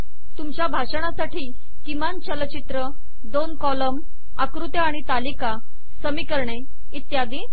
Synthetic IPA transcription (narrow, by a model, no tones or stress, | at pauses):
t̪umt͡ɕjabʱaʂəɽ̃asaʈiː | kimant͡ɕələt͡ɕit̪ɾə | d̪onkɔləm | akɾut̪jaːɽ̃it̪alika | səmikəɾɳe | it̪jad̪i